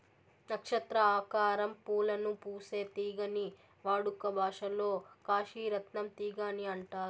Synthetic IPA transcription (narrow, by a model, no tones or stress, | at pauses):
nɐkʂɐt̪ɾɐaːkaːɾɐmpuːlɐnupuːse̞ːt̪iːɡɐni | ʋaːɽukɐbʱaːʂɐlo̞ːkaːʃiːɾɐt̪nɐmt̪iːɡaːniɐɳʈaːɾu